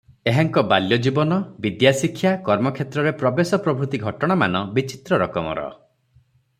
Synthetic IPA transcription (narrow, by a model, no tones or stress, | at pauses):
eɦaŋkɔbaljɔd͡ʒibɔnɔbid̪jasikʰːjakɔɾmɔkʰet̪ɾɔɾepɾɔbesɔpɾɔbʱɾut̪iɡʱɔʈɔɽ̃amanɔbit͡ʃit̪ɾɔɾɔkɔmɔ̰ɾɔ̰